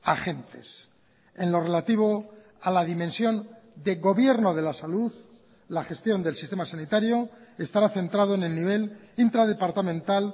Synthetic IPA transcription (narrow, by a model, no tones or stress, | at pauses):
axe̞nt̪e̞̰s | e̞nlo̞re̞lat̪iβ̞o̞ | alaðimẽ̞nsjo̞n | d̪e̞ɣo̞βje̞ɾno̞ð̞e̞lasaluð | laχe̞st̪jo̞nd̪e̞lsi̥st̪e̞masanit̪aɾjo̞e̞st̪aɾaθe̞nt̪ɾað̞o̞ene̞lniβ̞e̞l | int̪ɾaðe̞paɾt̪amẽ̞nt̪al